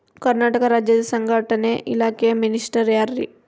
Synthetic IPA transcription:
kɐɾnaːʈɐkɐɾaːd͡ʒjɐd̪ɐsɐŋɡʱaːʈɐneʔilaːkejminisʈɐɾjaːɾɾḭ

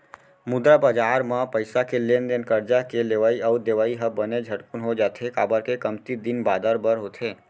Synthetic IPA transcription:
mʊd̪ɾabəd͡ʒaɾmãpəjsakʰelend̪enkəɾd͡ʒakeleʋaiəd̪eʋaiɦəbəned͡ʒʱəʈkunɦod͡ʒat̪ʰekabəɾkekəmt̪id̪inbad̪əɾbəɾɦot̪ʰe

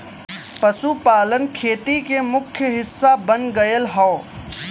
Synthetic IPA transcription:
pɐsupaːlənkʰeːt̪ikemʊkʰːjəɦɪsːabɐnɡɐjəlɦoː

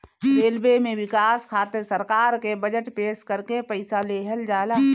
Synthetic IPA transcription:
ɾeːlbemẽʋɪkaːskʰaːt̪əɾsəɾkaːɾkebəd͡ʒəʈpeːʃkəɾkepəɪsaleɦəld͡ʒaːlaː

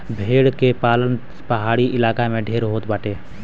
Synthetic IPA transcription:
bʱeːɽkepaːlən | pəɦaːɽiʔɪlaːkamẽɖʱeːɾɦoːt̪baːʈeː

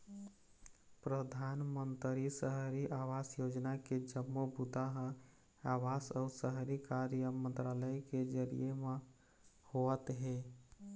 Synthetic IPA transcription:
pɾəd̪ʱanmənt̪ɾisəɦɾiʔaʋasjod͡ʒnaked͡ʒəmːobut̪aɦə | awasɔusəɦɾikaɾjəmə̃nt̪ɾaləjked͡ʒəɾḭjeme | hoət̪ɦe

